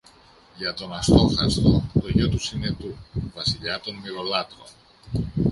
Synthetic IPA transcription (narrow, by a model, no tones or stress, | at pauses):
ʝɐt̪o̞nɐst̪o̞xɐst̪ot̪oʝo̞t̪usine̞t̪uvɐsiʎɐt̪o̞nmiɾo̞lɐt̪ɾo̰